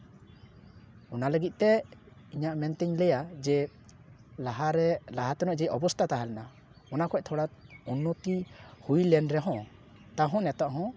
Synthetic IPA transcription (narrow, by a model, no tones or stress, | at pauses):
ɔnaləɡit̪̚ˀt̪ɛ | iɲaʔmɛnt̪ɛɲlɛjad͡ʒɛ | laɦaɾɛlaɦat̪ɔnɔʔd͡ʒɛʔɔbɔst̪ʰat̪aɦalɛna | ɔnakʰɔc̚t̪ʰɔɽaunːot̪ihujlɛnɾɛɦɔ̃ | t̪aɦɔ̃nɛt̪aʔɦɔ̃